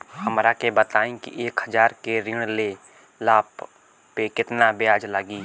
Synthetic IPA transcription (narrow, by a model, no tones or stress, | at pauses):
həmɾakebət̪aːẽkḭʔeːkhəd͡ʒaːɾkeɾɪ̃ɽ̃le | laːp | pekɪt̪nabɪjaːd͡ʒlaɡiː